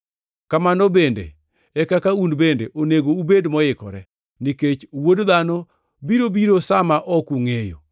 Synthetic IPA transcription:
kamanɔbendḛ | ɛkakaundbendeʔoneɡoubedmɔɪkɔ̰ɾɛ | niket͡ʃwodðanɔ | biɾobiɾosamaʔɔkuŋejo̰

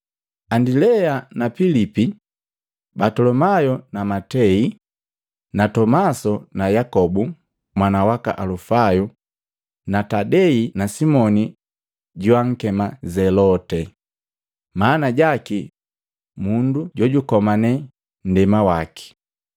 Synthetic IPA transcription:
andilɛanapilipi | batɔlɔmajɔnamatɛi | natɔmasɔnajakɔbu | mwanawaka̰ʔalufaju | natadɛinasimɔni | ɟuwaŋ̩kɛmazɛlɔtɛ | manaɟaki | munduɟɔɟukɔmanɛ | n̩dɛmawaki̥

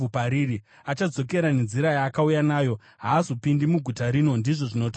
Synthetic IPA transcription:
upaɾiɾi | at͡ʃad͡zo̞ke̞ɾane̞nziɾajaːkaujanaːjo̞ | ɦaːzopindimuɡʱutaɾino̞ndiʐo̞ʐino̞ta

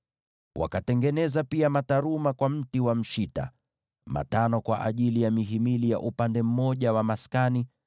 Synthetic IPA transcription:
wa̰katɛŋɡɛnɛzapiamataɾumakwam̩tiwam̩ʃita̰ | ma̰tanɔkwaʔa̰ʄilijamiɦimilija̰ʔupandɛm̩mɔʄawamaskani

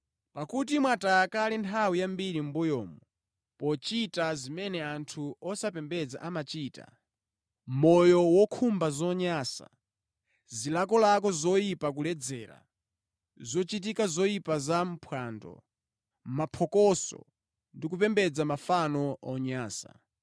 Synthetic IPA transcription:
pakut̬imwataːkalintʰawijambiɾim̩bujɔ̰ːmɔ | pɔt͡ʃitazimɛnɛantʰuɔsapɛmbɛd͡za̰ʔamat͡ʃiːta̰ | mɔjɔwɔkʰumbazɔɲaːsa̰ | zilakɔlak̬ɔzɔjipak̬ulɛd͡zɛːɾa̰ | zɔt͡ʃit̬ikazɔjipazam̩pʰwandɔ̰ | mapʰɔkɔsɔ̰ | ndikup̬ɛmbɛd͡zamafanɔɔɲaːsa̰

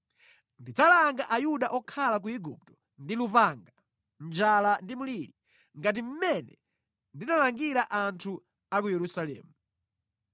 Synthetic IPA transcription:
ndid͡zalaŋɡaʔajuɗaʔɔkʰalak̬uiɡṵp̚tɔ̥ | ndilupaŋɡa | nd͡ʒalandimuliɾi | ŋɡat̬im̩mɛnɛ̰ | ndinalaŋɡiɾaʔantʰu | akujɛɾusalɛ̰ːmu

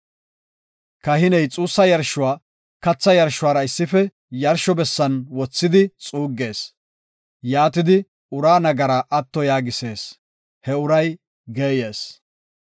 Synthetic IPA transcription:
kɐɦɪnɛjt͡sʼuːsːɐjɐɾʃːʊwaː | kɐt͡sːɐjɐɾʃʊwaːɾɐɪsːɪfɛ | jɐɾʃɔbɛsːɐnwɔt͡sːɪd̪ɪt͡sʼuːɡːe̞ːs | jaːt̪ɪd̪ɪ | ʊɾaːnɐɡɐɾaʔɐt̪ːɔjaːɡɪse̞ːs | hɛʊɾɐj | ɡeːjeːs

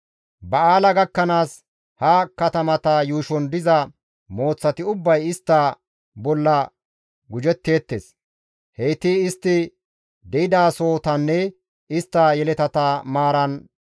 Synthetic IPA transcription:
bɐaːlɐɡɐkːɐnaːs | hɐkɐt̪ɐmɐt̪ɐjuːʃɔnd̪ɪzɐ | mo̞ːt͡sːɐt̪ɪʊbːɐjɪst̪ːɐ | bɔlːɐ | ɡʊd͡ʒɛt̪ːe̞ːt̪ːeːs | hejt̪ɪːst̪ːɪ | d̪ɛɪd̪aːso̞ːt̪ɐnːɛ | ɪst̪ːɐjɛlɛt̪ɐt̪ɐmaːɾɐn

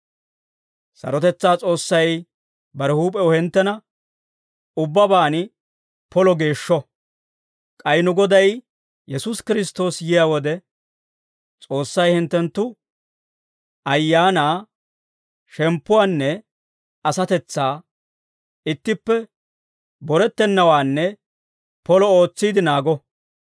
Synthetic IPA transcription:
sɐ̰ɾɔt̪ɛt͡sːaːt͡sʼo̞ːsːɐj | bɐɾɛhuːpʼɛɔhɛnt̪ːɛnɐ | ʊbːɐbaːnɪ | pɔlɔɡe̞ːʃːɔ | kʼɐjnʊɡɔd̪ɐj | jɛsuskɪɾɪs̬t̪o̞ːsjɪjaːwɔd̪ɛ | t͡sʼo̞ːsːɐjhɪnt̪ːɛnt̪ːʊ | ɐjːaːnaː | ʃɛmpːʊwaːnːɛ | ɐsɐt̪ɛt͡sːaː | ɪt̪ːɪpːɛ | bɔɾɛt̪ːɛnːɐwaːnːɛ | pɔlɔo̞ːt͡sːiːd̪ɪnaːɡɔ

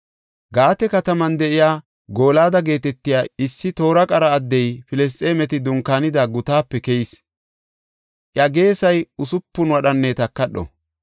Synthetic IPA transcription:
ɡaːt̪ɛkɐt̪ɐmɐnd̪ɛʔɪjaː | ɡo̞ːlaːd̪ɐɡe̞ːt̪ɛt̪ːɪjaːɪsːɪt̪o̞ːɾɐkʼɐɾɐːd̪ːɛjfɪlɛs̬t̪ʼeːmɛt̪ɪd̪ʊŋkaːnɪd̪aɡʊt̪aːpːɛkɛjɪs | ʔjɐɡe̞ːsɐjʊsʊpːʊnwɐɗɐnːeːt̪ɐkːɐɗɔ̰

